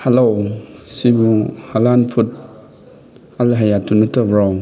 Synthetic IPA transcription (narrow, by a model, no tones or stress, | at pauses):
halowsibuhalanpʰut̚ | alɦajatunətəbɾaw